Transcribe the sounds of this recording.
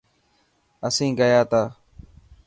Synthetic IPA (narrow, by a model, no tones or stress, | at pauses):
əsĩːɡəjaːt̪aː